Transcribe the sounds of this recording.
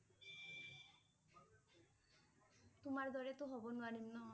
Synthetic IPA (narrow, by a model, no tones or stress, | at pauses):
t̪umaɾd̪ʱɔɾet̪oɦɔbɔnuanimnɔ